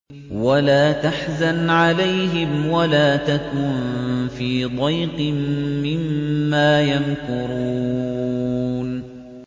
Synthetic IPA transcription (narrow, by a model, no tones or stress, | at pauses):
walaːt̪aħzanʕalajɦɪmwalaːt̪akʊːnfiːd̪ˤɑjqmːɪmːaːjankʊɾuː | n